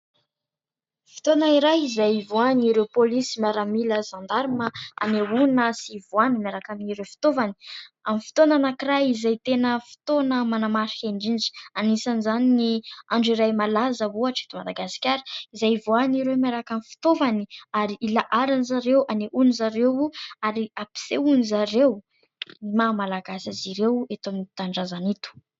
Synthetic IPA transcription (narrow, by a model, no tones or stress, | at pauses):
fi̥t̪onəiɾajizajvoaniɾewpolisimaɾamiləzand̪aɾiməa̰neunəsivuanimaɾakaminiɾewfi̥t̪ovani̥amifi̥t̪onanakirajizajt̪enəfi̥t̪onəmanamaɾi̥kaɳɖ͡ʐind͡ʒi̥anisanizaniniaɳɖ͡ʐiɾajmalazəvuaʈ͡ʂe̥t̪umad̪aɡasi̥kʲaɾi̥izajvuaniɾemaɾakamifi̥t̪ovaniaɾiilaʔaɾanzaɾewʔaneʔunizaɾewuaɾiapi̥seunizaɾew | imamalaɡasaziɾewet̪ominit̪aɳɖ͡ʐazanit̪u̥